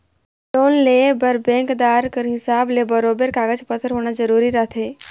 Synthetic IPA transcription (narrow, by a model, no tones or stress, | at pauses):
loːnlebəɾbɛ̃ːŋkd̪aːɾkəɾɦɪsaːblebɐɾoːbəɾkaːɡəd͡ʒpət̪ʰəɾɦoːñazəɾuːɾiɾəɦt̪ʰɦeː